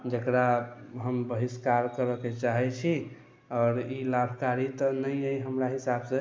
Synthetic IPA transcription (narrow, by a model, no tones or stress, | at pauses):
d͡ʒəkɾaɦəmbəɦiskaɾkəɾəket͡ʃaɦɛt͡ʃʰi | ɔːɾilabʱkaɾit̪ɔnəjəjɦəmɾaɦisabsẽ